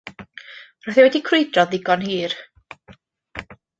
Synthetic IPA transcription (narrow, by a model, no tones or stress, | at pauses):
rɔjθɛwɛdikʰrejdrɔðɪɡɔnɦiːr